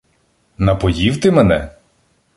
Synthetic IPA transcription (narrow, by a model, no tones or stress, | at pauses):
nɐpɔjiwt̪ɪmɛnɛ